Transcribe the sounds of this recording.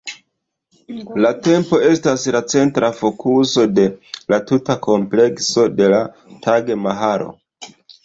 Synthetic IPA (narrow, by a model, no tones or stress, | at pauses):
late̞mpo̞e̞staslat͡se̞ntɾafo̞kʰuso̞de̞latutakʰo̞mple̞kso̞de̞la | tʰaɡemaɦaɾo̞̰